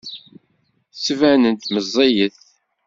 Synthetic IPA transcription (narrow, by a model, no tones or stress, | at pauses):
sːvænənt̪məzˤːejəθ